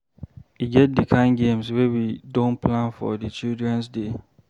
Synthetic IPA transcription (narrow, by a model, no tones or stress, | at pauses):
iɡɛt̚dikʰãɪ̃nɡẽmswɛwidõnpʰlãnfɔ̰dɨt͡ʃildɹɛ̃nsde